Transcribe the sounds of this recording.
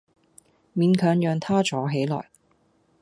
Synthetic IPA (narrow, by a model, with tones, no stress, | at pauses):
miː˨˧nkʰœː˨˧ŋjœː˧ŋt̪ʰaː˥t͡ʃɔː˨˥ɦe˨˥jlɔ̰ː˨˩j